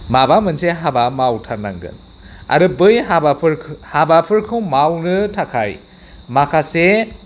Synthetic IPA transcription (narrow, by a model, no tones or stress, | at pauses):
mabamɯnseɦabamawtʰaɾnaŋɡɯ̰n | a̰ɾɯbɯjɦabapʰɯɾʰhabapʰɯɾkʰɯwmawnɯtʰakʰaj | makʰase